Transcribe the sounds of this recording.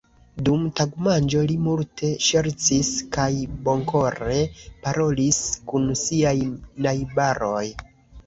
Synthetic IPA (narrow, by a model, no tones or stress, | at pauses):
dumtaɡmand͡ʒo̞limultʰe̞ʃe̞ɾt͡siskajbo̞ŋko̞ɾe̞paɾʔo̞liskunsiajnajbaɾo̞j